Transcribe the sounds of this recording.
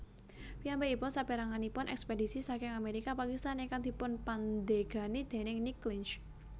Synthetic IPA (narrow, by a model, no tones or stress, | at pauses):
piampeipʊnsabeɾaŋanipʊnʔɛ̰kspedisisakɪŋameɾikapakist̪anekaŋd̪̥i̤pʊnpand̪eɡ̥a̤nid̪̥e̤nɪŋniklɪnt͡ʃ